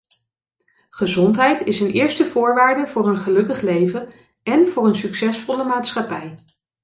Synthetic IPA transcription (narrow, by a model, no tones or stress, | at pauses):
χəzɔntɦɛjtɪsənɪːɹstəvʊːɹʋaːɹdəvʊːrənχəlɵkəχlejvən | ɛnv̥ʊːɹənsyksɛsfɔləmaːtsχɑpɛj